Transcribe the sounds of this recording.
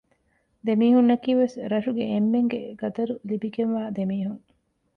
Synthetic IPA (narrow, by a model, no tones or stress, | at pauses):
d̪emiːhunːɐkiːʋesɾɐʃuɡeemːeŋɡḛɡɐt̪ɐɾulibiɡenʋaːd̪emiːɦuŋ